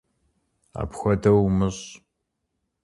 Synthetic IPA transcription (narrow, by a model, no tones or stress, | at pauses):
a̰ːpxʷɔdɐwmɨɕ